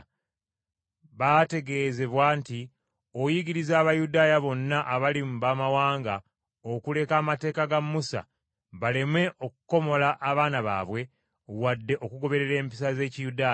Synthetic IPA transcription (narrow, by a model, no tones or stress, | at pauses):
βate̞ɡe̞ze̞βwaːnti | ojiɡiɾizaːβajudaːjaβo̞nːaʔaβalimuβaːmawaːŋɡa | okule̞kaːmate̞ːkaɡamːusa̰ | βale̞mwe̞ʔo̞kuko̞mo̞laʔːβaːnaβa̰ːβwe̞ | wadːe̞ʔo̞kuɡo̞βe̞ɾe̞ɾe̞ːmpis̬aze̞ːcijudaːj